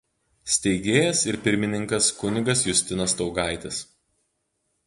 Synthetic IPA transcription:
sʲt̪ʲɛɪɡʲeːjɛsɪɾpʲɪɾʲmʲɪnʲɪŋkɐskʊnʲɪɡɐsjʊsʲt̪ʲɪnɐst̪ɒʊɡɑˑɪt̪ʲɪs

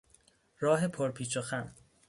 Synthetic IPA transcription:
ɾɒːɦe̞pʰoɾpʰiːt͡ʃʰoxæn

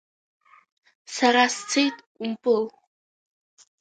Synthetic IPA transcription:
saɾast͡sʰejtʼ | umpʼɨl

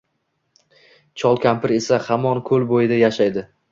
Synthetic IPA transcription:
t͡ʃʰɒlˠkʲʰampʰɪɾe̞sahamɒnkʰɵlbojɪd̪ajaʃajd̪ɪ

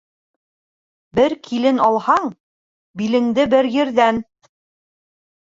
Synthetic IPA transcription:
bɘɾkʰilɘnɑlˠhɑɴ | bilɘ̆ŋd̪ɘbɘɾjɘ̆ɾðæn

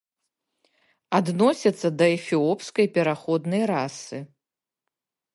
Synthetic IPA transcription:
ad̪nɔsʲɐt̪sːɐd̪ɐɛfʲiɔpskɐjpʲɛɾaxɔd̪nɐjrasɨ

